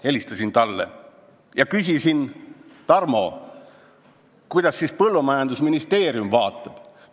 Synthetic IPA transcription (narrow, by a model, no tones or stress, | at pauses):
e̞lʲist̪ɑsint̪ɑlːḛ | jɑkysʲisint̪ɑrmo̞̰ | kujd̪̥ɑsːispɤlːumɑjɑnd̪usminist̪e̞ːɾjumvɑːt̪ːˑɑb̥